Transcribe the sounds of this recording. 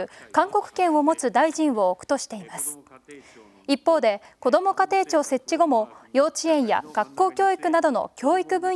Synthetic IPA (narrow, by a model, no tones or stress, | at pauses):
ɯ̟kãŋko̞kɯ̟̥kẽ̞ɰ̃o̞mo̞t͡sɨd̪aiʑĩɰ̃βo̞ːkɯ̟̥t̪o̞ɕi̥t̪e̞imasɨ̥ | ipːo̞ːd̪e̞ko̞d̪o̞mo̞kat̪e̞ːt͡ɕo̞ːse̞t͡ɕt͡ɕːiɡo̞mo̞jo̞ːt͡ɕiẽ̞ɰ̃ja̰ɡ̥akːo̞ːkʲo̞ːikɯ̟nad̪o̞no̞̰kʲo̞ːikɯ̟bɯ̟̃ɰ